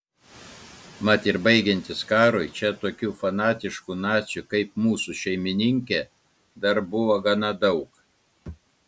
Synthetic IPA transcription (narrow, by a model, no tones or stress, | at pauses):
mɐt̪ɪɾbɐɪɡʲɛnʲt̪ʲɪskɑːɾoːɪt͡ʃʲɛt̪oːkʲuːfɐnɑːt̪ʲɪʃkunɑːt̪sʲʊkɐɪpmuːsuʃʲɛɪmʲɪnʲɪŋʲkʲe | d̪ɐɾbʊʋoːɡɐnɐd̪ɐʊk